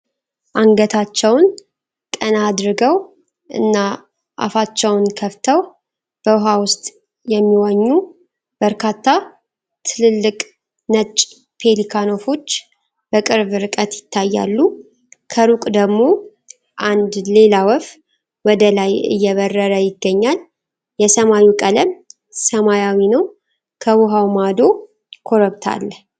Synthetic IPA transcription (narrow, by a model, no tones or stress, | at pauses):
ʔaŋɡət̪ʰat͡ʃːɛwn | kʼənad̪ɾɨɡəw | ʔɨ̰nːa | ʔa̰fat͡ʃːɛwnkʰəft̪ʰəw | b̥əwɦawʊst̪ʼ | jɛmːiwaɲːu | b̥əɾkʰat̪ʰːa | t̪ʰɨlɨlːɨkʼ | nət͡ʃʼ | pʰe̞likʰano̞fo̞t͡ʃː | bəkʼɨɾβɾɨkʼət̪jɪt̪ʰːajːa̰lːu | kʰəɾukʼd̪əɡmo̞ | ʔand̪le̞lawəf | wɔd̪əlajɨ̰jːɛβərːəɾəjɪɡːəɲːal | jɛsəmajukʼələm | səmajawinəw | kʰəwuɦawmad̪o̞ | kʰoɾəβt̪ʰa̰lː